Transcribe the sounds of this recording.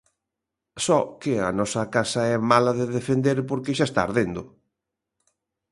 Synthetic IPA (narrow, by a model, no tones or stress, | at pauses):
sɔkɪɐnɔsɐkasɐɛmalɐðeðefend̪eɾpoɾkɪʃaest̪a̰ːɾðend̪ʊ